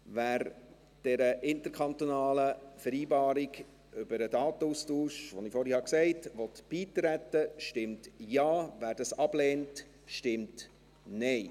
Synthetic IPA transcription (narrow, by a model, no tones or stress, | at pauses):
væːɾ | d̥ɛɾəʔɪntəɾkʰɑnt̪onɑːləfəɾiːbɑːɾiɡ | ʔʏbəɾədɑːt̪əuːstuːʃʋɔnɪfɔɾhihɑksɛɪtʋɔtb̥iːtɾætːəʃtɪmtjɑːvæːɾd̥ɑsɑb̥lɛːnt | ʃtɪmt | nɛɪ